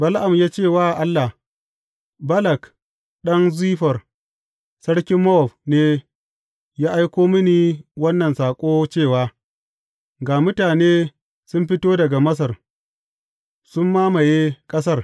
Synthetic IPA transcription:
bɐ˦lʔa˨mjaː˦t͡ʃeː˦˨waː˦˨ʔa˦lːa˨ | bɐ˦lɐ˨k | ɗɐ˦nziː˦ɸɐ˨r | sɐ˦ɽkʲɪ˦mːɔ˦ɔ˨ɸneː˦ | jaː˦ʔa˦jkʷoː˦mɐ˦ni˨wɐ˦nːɐ˨nsaː˨kʷʼoː˦t͡ʃeː˦˨waː˦ | ɡaː˨mʊ˦taː˨neː˦ | sʊ˦mɸɪ˦toː˦dɐ˨ɡa˨mɐ˦s̬ɐ˨r | sʊ˦mːaː˦ma˨jeː˦kʼɐ˦s̬ɐ˦r

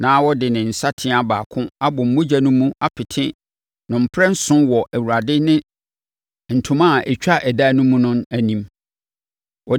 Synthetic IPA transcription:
nãː˨˦wɔ˦dɪ˨nɪ̃˨n̩˨sa˦tʰɪ̃˦a˨baː˨kʰʊ̃˦a˦bʊ̃˨m̩˨mʊ̃˦d͡ʑa˨nʊ̃˦mũ˦a˦pʰɪ˨tʰɪ̃˦ | nʊ̃˨m̩˨pʰɾɛ˦n̩˦sʊ̃˦wɔ˨ʔæ˨wu˨a˨dɪ˦nɪ̃˦ | n̩˨tʰʊ̃˦mã˦˨ɛ˨t͡ɕᶣa˦ʔɛ˨da˦nʊ̃˦mũ˦nʊ̃˦næ˨nĩ˨m | wʔɔ˨

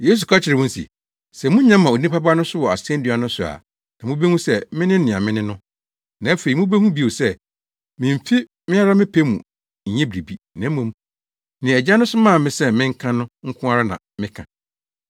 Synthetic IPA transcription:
je˦s̬u˨kʰa˦t͡ɕʰɪ˨ɾɪ˨wʊ̃˦n˦sḭ˨ | sɛ˨mʊ̃˦ɲã˦mːã˨o˨nĩ˦pa˦ba˦nʊ̃˦sʊ˦wɔ˨a˨sɛ̃˦n˦di˨a˨nʊ̃˦sʊ˨a̰˨ | nã˨mũ˦be˦hũ˦sɛ˦mɪ̃˦nɪ̃˦n̩˦nɪ̃˨a̰˨mɪ̃˦nɪ̃˦nʊ̃˦ | nã˨æ˦fe˨i˨mũ˦be˦hũ˦bi˨o˨sɛ˦ | mɪ̃˨m˨fi˦ | mɪ̃˦a˦ɾa˦mɪ̃˦pʰe˦mṵ̃˨ | ɲ̩˨˦ɲɛ̃˦bɾi˨bi˨ | nã˨˦mũ˨m | nɪ̃˨ɛ˨d͡ʑa˦nʊ̃˦sʊ˦mã˦˨mɪ̃˦sɛ˦mɪ̃˦ŋ̩˦kʰã˦nʊ̃˦ŋ̩˦kʰʊ̃˦a˦ɾa˦nã̰˨mɪ̃˦kʰã˨

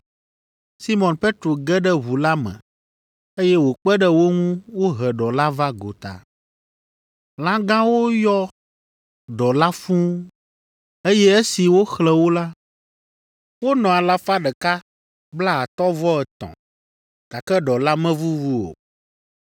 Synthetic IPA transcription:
si˦mɔ̃˨npe˦t̪ɾo˨ɡɛ˦ɖɛ˦βu˨la˦mɛ̰̃˨ | e˦jɛ˦wo˨k͡pɛ˦ɖɛ˦wo˦ŋũ˦wo˦ɦɛ˨ɖɔ˨la˦va˦ɡo˨t̪a̰˨ | lã˦ɡã˦wo˦jɔ˦ | ɖɔ˨la˦fũ˦ | e˦jɛ˦e˦si˨wo˦xlɛ˨wo˦la˦ | wo˦nɔ̃˨a˨la˦fa˦ɖɛ˨ka˦ | bla˦a˨t̪ɔ˦vɔ˦ɛ˨t̪ɔ̰̃˨ | ta˨kɛ˦ɖɔ˨la˦mɛ̃˦vu˦wu˦o̰˨

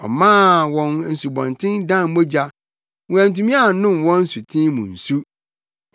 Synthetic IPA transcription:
ɔ̰˨mã˦wɔ̃˦nn̩˨su˨bɔ̰̃˨ntʰɪ̃˦ndã˦˨m˦mo˦d͡ʑa˦ | wũ˨æ̃˨n̩˨tũ˦mĩ˦a˦˨˦nʊ̃˦˨mwɔ̃˦n̩˦su˨tʰĩ˦mʊ̰̃˨n̩˨su˦

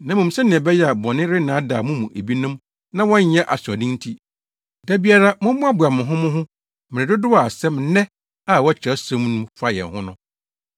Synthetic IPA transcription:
nã˨mũ˨m̩˨sɛ̃˦nĩ˨ɛ̃˨bɛ˦jɛ˦a˨bɔ̃˨nɪ̃˦ɾɪ˦nãː˨˦daː˨mũ˦mũ˨ʔe˨bi˦nʊ̃˦m | nã˦wɔ̃˦ɲ˦ɲɛ̃˦ʔa˨sʊ˨a˨dĩ˦n˦tʰi˦ | dæ˦bi˦a˦ɾa˦mʊ̃˦mːʊ̃˦a˦bʊ˨a˨mʊ̃˨ɦʊ̃˦mʊ̃˦ɦʊ̃˦ | mɪ̃˨ɾɪ̃˨dʊ˦dʊ˦a˨sɛ˦mnɛ̃˦ | a˦˨wɔ˦t͡ɕʰɔ˦sã˦mnʊ̃˦mfa˦jɛ̰˨n˨hʊ̃˦nʊ̰̃˦

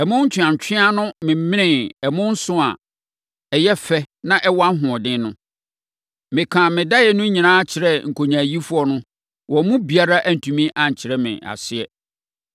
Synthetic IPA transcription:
ɛ˨mʊ̃˦ɲ̩˦t͡ɕʰᶣɪ˨ã˨ɲ˨t͡ɕʰᶣɪ̃˦a˦nʊ̃˦mɪ̃˨m˦mɪ̃˦nɪ̃˨ɛ˨mʊ̃˦n̩˦sʊ̃˦a̰˨ | ɛ˨jɛ˦fɛ˦nã˦ʔɛ˦wa˦ɦʊ̃˨ɔ˨dɪ̃˦nʊ̃˦ | mɪ̃˨kʰã˨mɪ̃˨da˦jɛ˨nʊ̃˦ɲĩ˨nãː˦a˦t͡ɕʰɪ˨ɾɛ˦ŋ̩˨kʰo˨ɲã˨ji˦fʊ˦ɔ˦nʊ̃˦ | wɔ̃˨mʊ̃˦bi˨a˦ɾa˦ʔæ˦n̩˨tʰũ˨mĩ˦ʔã˨ɲ˨t͡ɕʰɪ˨ɾɛ˦mɪ̰̃˨ʔa̰˨sɪ˦ɛ˦

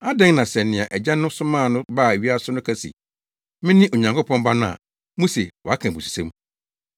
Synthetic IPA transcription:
a˦dɛ̃˦ŋnã˨sɛ˨nɪ̃˨a˨ʔɛ˨d͡ʑã˦nʊ̃˦sʊ˦mãː˦˨nʊ̃˦baː˦˨e˨ɥi˦a˦sʊ˦nʊ̃˦kʰa˦sḭ˨ | mɪ̃˦nɪ̃˦ʔo˨ɲã˨ŋkʰo˦pʰɔ̃˦m˦ba˦nʊ̃˦a̰˨ | mũ˦se˨wɔ˨a˦kʰã˨bu˨su̥˨sḛ̃˦m

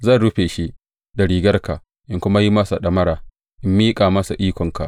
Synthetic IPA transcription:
zɐ˦˨nɽu˦ɸeː˨ʃi˦ʔ | da˨ɽiː˨ɡɐ˦rka˨ | ʔɪ˦ŋkʷʊ˦ma˦ji˦mɐ˦sa˨ɗɐ˨mɐ˦ɾaː˨ | ʔɪ˦mːiː˦kʼaː˨mɐ˦sa˨ʔiː˦kʷɔ˨ŋka̰˨ʔ

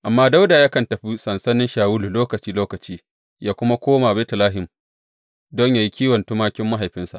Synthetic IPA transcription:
ʔa˨mːaː˦da˦wdaː˨ja˦kɐ˨ntɐ˨ɸi˦sɐ˨nsɐ˦nɪ˦nʃaː˨wʊ˦lu˨loː˦kɐ˨t͡ʃiː˦loː˦kɐ˨t͡ʃiː˦ | jaː˦kʷʊ˦ma˦kʷoː˦maː˨beː˦tɐ˨laː˦ɦɪ˨m | dɔ˦ɲja˨ji˦kʲiː˦wɐ˨ntʊ˦maː˦kʲɪ˦mːa˦ɦa˨jɸɪ˦nsa̰˨ʔ

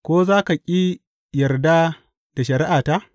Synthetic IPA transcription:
kʷoː˦zaː˦ka˨kʲʼi˦ | jɐ˨rda˦ | d̥a˨ʃɐ˨ɾɪ˦ʔaː˨ta˦ʔ

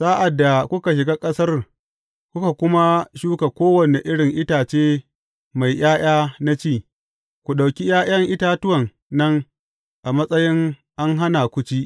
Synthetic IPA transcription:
saː˦ʔa˨dːa˨kʷʊ˦ka˨ʃ̬ɪ˨ɡaː˦kʼɐ˦sɐ˦r | kʷʊ˦ka˨kʷʊ˦ma˦ʃuː˦ka˨kʷoː˦wɐ˨ne˨ʔɪ˦ɽɪ˨ŋʔɪ˦taː˨t͡ʃeː˦ | ma˨jʔjaː˦j̰aː˦na˦t͡ʃiː˦˨ | kʷu˨ɗa˨wkʲi˦jaː˦j̰ɐ˦ŋʔɪ˦taː˦tʊ˦wɐ˨ŋː | ɐ˦ŋ | ʔa˨mɐ˦sʼɐ˦jɪ˦ŋʔa˦ŋɦa˦na˨kʷʊ˦t͡ʃi˦ʔ

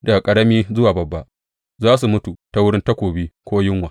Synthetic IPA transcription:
da˨ɡkʼɐ˨ɽɐ˦miː˦zʊ˦waː˨bɐ˨bːa˦ʔ | zaː˦s̬u˨mʊ˦tu˨ta˦wʊ˦ɽɪ˦nta˦kʷoː˨biː˦kʷoː˦jɪ˦ŋwa˨

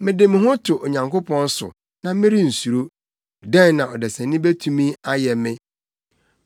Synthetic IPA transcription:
mɪ̃˨dɪ˨mɪ̃˦ɦʊ̃˦tʰʊ˨ʔo˨ɲã˨ŋkʰo˦pʰɔ̃˦n˦sʊ̰˨ | nã˨mɪ̃˦ɾi˦n̩˨su˨ɾo˦ | dɛ̃˦nːã˨ɔ˨dɛ˨sɛ̃˨nɪ̃˦be˦tʰũ˦mĩ˦a˦jɛ˨mɪ̃˦

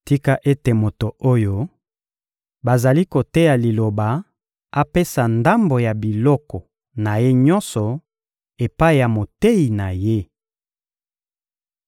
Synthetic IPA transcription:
ti˦ka˦ʔe˦te˨mo˨to˨o˦jo˦ | ba˨za˨li˦ko˨te˦ja˨li˨lo˨ba˨ | a˦pe˦sa˨nda˦mbo˨ja˨bi˨lɔ˦kɔ˨ | na˨je˦ɲɔ˦nsɔ˨ | e˨pa˦i˨ja˨mo˨te˦i˨na˨je˦

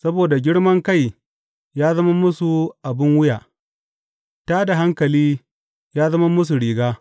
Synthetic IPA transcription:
sɐ˦boː˨da˨ɡʲɪ˦ɽmɐ˦ŋka˦˨j | jaː˦zɐ˦ma˦mʊ˦su˨ʔa˨bɪ˦ŋwʊ˦jaː˨ | taː˦da˨ɦa˦ŋkɐ˨liː˦ | jaː˦zɐ˦ma˦mʊ˦s̬u˨ɽiː˨ɡaː˦

